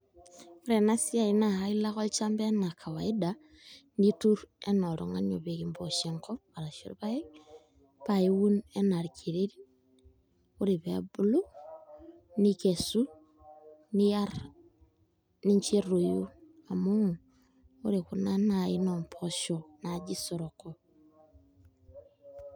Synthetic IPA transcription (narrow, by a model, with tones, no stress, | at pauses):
u˦ɾe˨na˦si˦a˨ina˨ha˦i˦la˦xo˦li˦t͡ʃa˦mbe˦na˨kʰa˨wa˨ida | nitu˦ɾe˦no˨ɾṵ˨ŋa̰˦ɲo̰˨βe˨ɣimbo˨ʃe˨ŋko˦βa˨ɾa˨ʃḭ˨ɾṵβa˦e˦ | βa˨ji˦wu˦ne˦na˨ɾikʰi˨ɾe˦ɾi | u˦ɾi˨βḛbu˦lu˦ | nike˨su˦ | ni˦jaɾ | ni˦ɲt͡ʃi˦ɾu˨ju˦a˨mo | o˦ɾi˨ku˨na˦nai˦nompʰoʃonad͡ʒi˦so˨ɾoko